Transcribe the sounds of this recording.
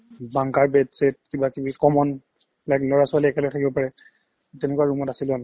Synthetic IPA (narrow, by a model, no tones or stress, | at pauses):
baŋkaɹbɛdset̚kibakibikɔmɔn | lajklɔɹasʊaliɛkɛlɔɛtʰakibɔpaɹɛ | tɛlʊkuwaɹumɔtasiln